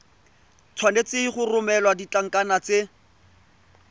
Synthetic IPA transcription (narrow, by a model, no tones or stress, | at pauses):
t͡sʰwanet͡sɪiχʊrʊmɛlwadit͡ɬaŋ̩kʼanat͡se